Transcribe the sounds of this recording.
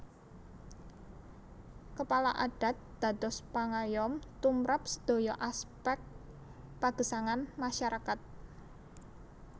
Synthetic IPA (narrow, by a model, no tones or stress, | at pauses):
kəpalaʔaɖ̥a̤t̪̚d̪̥a̤d̪ɔspaŋajɔmt̪umɾap̚sə̥d̪̥o̤jɔʔaspɛk̚ | paɡ̥ə̤saŋanmaʃaɾakat̪̚